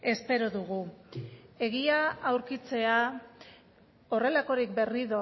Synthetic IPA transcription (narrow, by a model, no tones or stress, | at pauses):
e̞spe̞ɾo̞ðuɣu | e̞ɣ̞iaawɾkit͡se̞a | o̞re̞lako̞ɾikbe̞riðo̞